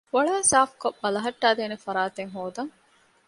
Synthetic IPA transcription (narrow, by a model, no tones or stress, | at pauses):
ʋɐɭɐːsaːfkobɐlɐɦɐʈːaːd̪eːnefɐɾaːt̪eŋɦoːd̪ɐŋ